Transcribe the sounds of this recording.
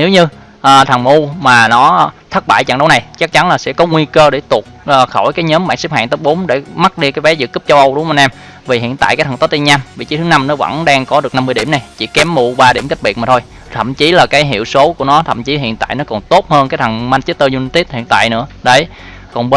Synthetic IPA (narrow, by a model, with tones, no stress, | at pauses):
ne˨˦wɲɨ˧ | ʔːt̪ʰə˨˩ŋmu˧maː˨˩nɔ˨˦t̪ʰə˦˥t̚ɓaː˧˨jt͡ɕa̰˧˩ŋɗə˨˦wna˨˩jt͡ɕa˦˥k̚t͡ɕa˨˦nlaː˨˩sɛ̰˧˥kɔ˨˦ŋwi˧kəː˧ɗe˧˩t̪u˨˩ək̚ʔəː˨˩xo˧˩jkaː˨˦jɲəː˨˦mɓa̰ː˧˨nsi˦˥p̚ha̰ː˧˨ŋt̪əː˦˥ɓo˨˦mɗe˧˩ma˦˥t̚ɗi˧kaː˨˦jvɛ˨˦zɨ̰˧˨kɨ˦˥p̚t͡ɕə˧wʔə˧wɗʊ˨˦ŋ͡mʔa˧nʔɛ˧m | vi˨˩ɦḭ˧˨ənt̪a̰ː˧˨jka˨˦jt̪ʰə˨˩t̪o˦˥t̪i˧nɲaː˧mvi˨˩t͡ɕi˨˦t̪ʰɨ˨˦na˧mnɔ˨˦və̰˧˥nɗaː˧ŋkɔ˨˦ɗɨ˨˩ək̚na˧mːɨ˧jɗi˧˩əmna˨˩jt͡ɕḭ˧˩kɛ˨˦mːu˧ɓaː˧ɗi˧˩əmki˦˥k̚ɓi˨˩əmaː˨˩t̪ʰo˧j | t̪ʰə̰˧˨mt͡ɕi˨˦laː˨˩kaː˨˦jɦḭ˧˨əwso˨˦ku˧˩ənɔ˨˦t̪ʰə̰˧˨mt͡ɕi˨˦ɦḭ˧˨ənt̪a̰ː˧˨jnɔ˨˦kɔ˨˩nt̪o˦˥t̚həː˧nkaː˨˦t̪ʰə˨˩ŋma˧nt͡ɕ̚ːt̪əː˧zu˧ni˧t̪i˦˥t̚hḭ˧˨ənt̪a̰ː˧˨jnɨ̰˧˥əɗə˨˧˩j | kɔ˨˩nə˧